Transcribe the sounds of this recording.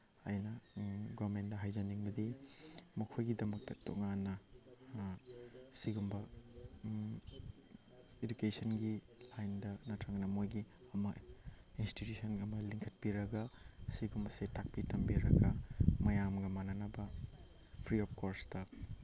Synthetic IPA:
ajnɐɡɔɾmentdɐɦajzd͡ʒɐniŋbɐdimɐkʰojɡidɐmɐk̚tɐto̰ŋanːɐ | siɡumbɐ | ed͡ʒukesɐnɡi | lajndɐnɐtʰaŋnɐmojɡiɐmɐinstitjusʰɐnɐmɐliŋkʰɐt̚piɾɐɡɐsiɡumbɐsetak̚pitɐmbiɾɐɡɐmɐjamɡɐmananɐbɐ | pʰɾiɔp̚ʰkoɾstɐ

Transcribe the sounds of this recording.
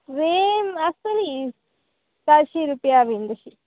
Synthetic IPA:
ɾemɐsɐlis | t̪aʃiɾupjaːʋind̪ɐʃi

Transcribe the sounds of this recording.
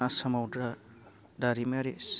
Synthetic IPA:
asɐmawdɾa | daɾimeɾes

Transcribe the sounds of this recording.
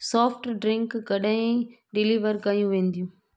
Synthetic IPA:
sɔːfʈɖɾɪ̃ŋkkɐɗaĩ | ɖɪliːʋəɾkɐjũʋẽːn̆d̪ijũː

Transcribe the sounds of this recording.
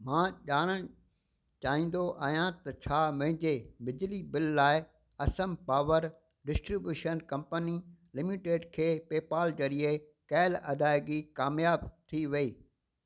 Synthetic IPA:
mãːʄaːɽ̃əɽ̃ | t͡ɕaːɦĩːn̆d̪oʔaːjãt̪ɐt͡ɕʰaːmʊ̃ɦɪ̃ɲd͡ʑebɪd͡ʑlibɪlːaːɪ | ɐsəmpaːʋəɾ | ɖɪsʈɾibjuːʃənkɐ̃mpənilɪmiʈeːɖkʰeːpeːpaːld͡ʑɐɾie | kɛːɪlɐd̪ʱaːɪɡikaːmjaːbt̪ʰiʋɐiː

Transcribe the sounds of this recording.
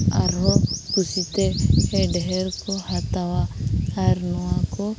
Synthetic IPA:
a̰ɾɦɔkusit̪eeɖɛɦɛɾkohat̪awaaɾnɔwãkɔ

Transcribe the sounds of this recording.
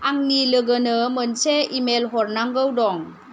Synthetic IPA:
aŋniləɡənəmənseimelɦɔɾnaŋɡəwdɔŋ

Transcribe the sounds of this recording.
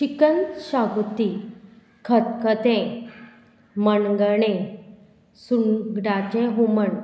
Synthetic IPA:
ɕikənɕaɡut̪i | kʰət̪̚kət̪ɛ̃ | mənɡəɳ̃ẽ | sunɡɖat͡ɕẽɦuməɳ

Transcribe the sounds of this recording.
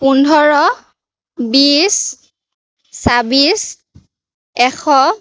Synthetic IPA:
pundʱɔɹɔ | bis | sabis | ɛxʰɔ

